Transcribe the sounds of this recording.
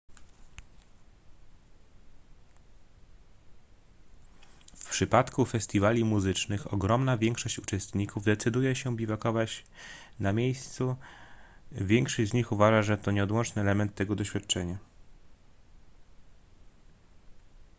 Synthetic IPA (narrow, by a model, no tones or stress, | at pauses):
fpʂɘpat̪kufɛsʲt̪ʲivalʲimuzɘt͡ʂnɘxɔ̰ɡɾɔmnavʲjɛŋkʂɔɕt͡ɕut͡ʂɛst̪ɲikuvd̪ɛt̪sɘd̪ujɛɕɛbʲivakɔvat͡ɕ | namʲjejst̪su | vʲjɛŋkʂɔʑd͡ʑzɲixuvaʐaʐɛt̪ɔɲɛɔd̪wɔnt͡ʂnɘɛlɛmɛnt̪ːɛɡɔd̪ɔɕfʲjat̪̚t͡ʂɛɲa